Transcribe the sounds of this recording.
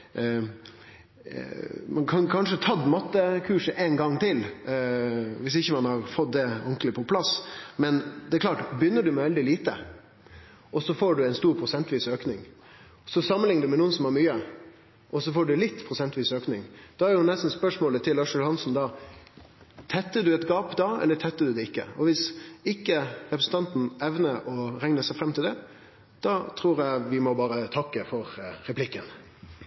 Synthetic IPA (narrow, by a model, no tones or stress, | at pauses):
mɑnkʰɑnkʰɑnʂət̪ʰɑd̪mɑt̪ːəkʰʉːʂəʔɛnɡɑŋːt̪ʰɪl | ʋɪsɪçːəmɑnhɑɾfɔt̪̚d̪ɛɔŋklɪpʰɔpʰlɑsmɛnd̪ɛɾklɑːʈbjʏnːəɖʉmɛʋɛld̪ɪliːt̪ə̰ | ɔsɔfoːɖʉɛɪnst̪uːɾpʰɾʊsɛnt̪ɔʋiːsøːknɪŋ | sɔsɑmənlɪŋəd̪ʉmɛnuːənsɔmhɑɾmyːə | ʔɔsɔfoːɖʉlɪt̪ːpʰɾʊsɛnt̪ɔʋiːsøːknɪŋd̪̥ɑæɾjʊnɛst̪n̩spœʂmoːlət̪ʰɪlːɑːʂʉlhɑnsn̩d̪ɑ | t̪ʰɛt̪ːəɖʉɛt̪ɡɑːpd̪ɑɛ̰lːət̪ʰɛt̪ːəɖʉd̪ɛɪkːə̰ɔʋɪsɪkːəɾɛpɾəsn̩t̪ɑnt̪n̩ɛʋnəɾɔɾɛŋnəsɛɪfɾɛmt̪ɪld̪ɛ | d̪̥ɑt̪ʰɾuːɾjæɪʋɪmɔbɑːɾət̪ʰɑkːəfɔɾɾɛplɪkːən